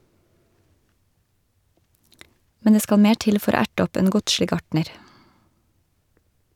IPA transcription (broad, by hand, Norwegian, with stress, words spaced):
ˈmɛn ˈdeː ˈskɑl ˈmeː ˈʈɪl ˈfɔɾ ˈoː ˈæʈ ˈɔp ˈeːn ˈɡʊdʃlɪ ˈɡɑʈɳəɾ